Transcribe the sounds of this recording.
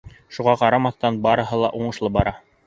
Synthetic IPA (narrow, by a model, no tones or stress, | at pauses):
ʃuʁɑqɑɾɑmɑθt̪ɑnbɑɾɤ̆ɦɤlˠɑ̰ʔuɴɤ̆ʃlˠɤbɑɾɑ